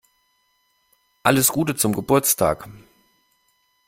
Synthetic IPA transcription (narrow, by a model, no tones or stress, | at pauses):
ʔaləsɡ̥uːtət͡sʊmɡəbʊɐt͡stʰa̰ːk